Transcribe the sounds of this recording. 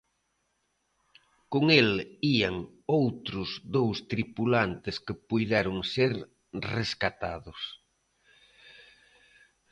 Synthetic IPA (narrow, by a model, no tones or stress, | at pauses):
koŋeliaŋ | owt̪ɾʊzðowst̪ɾipulant̪ɪskɪpujðɛɾʊŋseɾ | reskat̪a̰ðʊs